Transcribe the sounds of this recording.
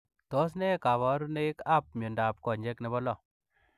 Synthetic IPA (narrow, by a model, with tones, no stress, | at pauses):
tɔ˦s̬ne˦ka˨βɔ˨˦ɾu˦ne˦ɪ˦ka˦p̚mje˨nda˨p̚kɔ˨ɲd͡ʒe˦kne˨bɔ˦lɔ˦˨